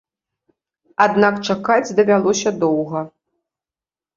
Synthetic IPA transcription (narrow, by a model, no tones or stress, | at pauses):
ad̪nakt͡ʂakad͡zʲd̪ɐvʲalˠɔsʲɐd̪ɔwɣɐ